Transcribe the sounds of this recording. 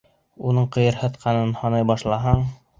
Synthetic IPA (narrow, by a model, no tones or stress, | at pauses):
unɤɴqɤ̆jɤɾhɤ̆t̪qʰɑnɤnhɑnɑjbɑʃlˠɑɦɑɴ